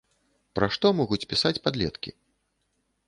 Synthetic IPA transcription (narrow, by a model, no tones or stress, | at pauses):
pɾaʂt̪ɔmɔɣut͡sʲpʲisat͡sʲpad̪lʲɛt̪kʲḭ